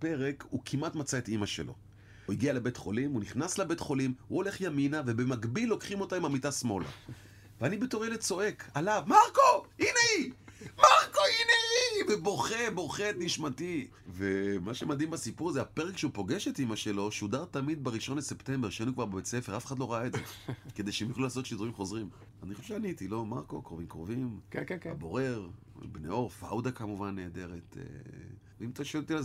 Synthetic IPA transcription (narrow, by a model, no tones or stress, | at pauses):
pe̞ʁe̞kukʰimatmat͡saetimaʃelo̞̰ | huiɡialebe̞tχo̞̰limuniχnaslabe̞tχo̞limhuo̞le̞χjaminave̞be̞maɡbilːo̞kχimo̞taimamitasmo̞la̰ | veanibetoʁelet͡so̞e̞kʰalavmaʁkoineimaʁkoineiveboχebo̞χet̪niʃmati | vemaʃemad̪imbasipuʁzeapeʁekʃeupo̞ɡe̞ʃet̪imaʃe̞lo̞ʃeud̪aʁt̪amid̪̚beʁiʃo̞nlesept̪e̞mbeʃeanukvaʁbebet͡sefeʁafeχad̪lo̞ʁaaedd͡zekede̞jʃeemjaχlulaːs̬ot̪ʃid̪uʁimχo̞zʁim | anixχoʃeʃeanit̪ilo̞maʁko̞kʁo̞vimkʁovimabo̞ʁe̞ʁ | bnḛo̞ʁfa̰wd̪akamuvanːeːd̪e̞ʁetḛ | veimt̪aʃoelt̪ila